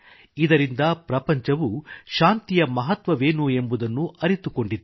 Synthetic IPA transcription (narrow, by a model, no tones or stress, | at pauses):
id̪ɐɾind̪ɐpɾɐpɐɲt͡ʃɐʋuʃaːnt̪ijɐmɐɦɐt̪ʋɐʋeːnue̞mbud̪ɐnːuɐɾit̪uko̞ɳɖid̪ː